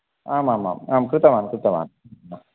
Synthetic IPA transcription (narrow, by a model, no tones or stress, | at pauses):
aːmaːma̰ːmaːmkɾɯt̪ːɐmaːnkʊɾɯt̪ːɐʋa̰ːnmaː